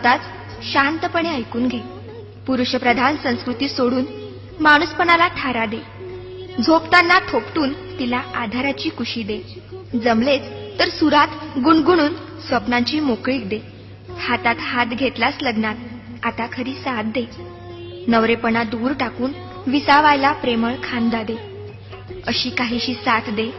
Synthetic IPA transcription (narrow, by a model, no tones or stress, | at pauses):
t̪at͡s | ɕant̪əpəɳeəjkuːnɡʱe | puɾuɕəpɾəd̪ʱansə̃w̃skɾut̪iːsoɽuːn | maɽ̃uspəɳalat̪ʰaɾad̪e | d͡zʱopt̪anːat̪ʰopʈuːn | t̪ilaad̪ʱaɾat͡ɕiːkuɕiːd̪e | d͡zəmlet͡st̪əɾsuɾat̪ɡuɳɡuɽ̃uːn | sʋəpnãɲt͡ɕiːmokɭiːk̚d̪e | hat̪at̪hat̪ɡʱet̪lasləɡnat̪̚ | at̪akʰəɾiːsat̪̚d̪e | nəʋɾepəɳad̪uːɾʈakuːn | ʋisaʋajlapɾeməɭkʰãnd̪ad̪e | əɕiːkaɦiːɕiːsat̪d̪e